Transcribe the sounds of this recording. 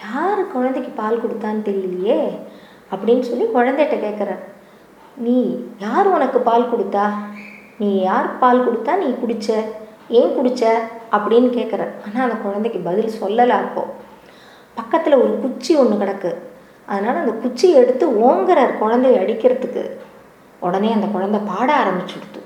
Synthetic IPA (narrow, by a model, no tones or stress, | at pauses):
jaːɾɯkːɔɻɐnd̪ɛkːɯpaːlkɔɽɯt̪ːaːnɯt̪ɛlːɪlːɪjeː | ɐpːɐɽɪnːɯsɔlːikɔɻɐnd̪ɛɛʈːɐkeːʈkːɐɾẽː | niːjaːɾɔnɐkːɯpaːlkɔɽɯt̪ːaː | niːjaːɾɯkpaːlkɔɽɯt̪ːaːnĩːkʊɽɪt͡ʃːɐ | eːkʊɽɪt͡ʃːɐʔɐpːɐɽɪjnːɯkeːʈkɐɾḛ̃ːaːnaːɐnd̪ɐkɔɻɐnd̪ɐkːɯbɐðɪlsɔlːɐlaːɾɯpːõ̰ː | pɐkːɐt̪ːɪlɐɔɾɯkʊt͡ʃːiɔɳːɯkɐɽɐkːɯ | ʔɐðɐnaːlɐɐnd̪ɐkʊt͡ʃːiɛɽɯt̪ːɯoːŋɡɐɾɐɾkɔɻɐnd̪ɐɪɐɽɪkːɪɾɐðɯkːɯ̰ | ɔɽɐneːɐnd̪ɐkɔɻɐnd̪ɐpaːɽɐaːɾɐmbɪt͡ʃːɪɽɯt̪ːɯ̃